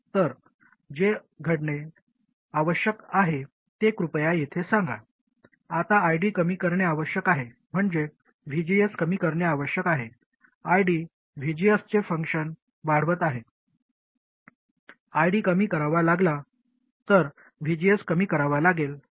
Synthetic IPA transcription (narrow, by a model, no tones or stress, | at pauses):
t̪əɾ | d͡ʑe | ɡʱəɽɳe | aʋəɕjəkaɦe | t̪ekɾupjajet̪ʰesãŋɡa̰ | at̪aajɽiːkəmiːkəɾɳjeaʋəɕjəkaɦe | m̤əɳd͡ʑe | ʋ̤ʱid͡ʑijəskəmiːkəɾɳjaaʋəɕjəkaɦe | ajɽiː | ʋid͡ʑijəst͡ɕefəŋkʂən | ʋaɽ̤ʋət̪aɦe | ajɖiːkəmiːkəɾaʋalaɡla | t̪əɾ | ʋ̤ʱid͡ʑijəskəmiːkəɾaʋalaɡel